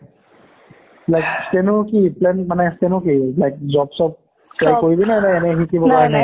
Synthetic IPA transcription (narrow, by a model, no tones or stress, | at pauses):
lajk̚stenʊkiplɛnmanɛstenʊkilajk̚zɔbsɔb̚ | kakoɹibinɛnɛɛnɛxikibɔpaɹɛnaj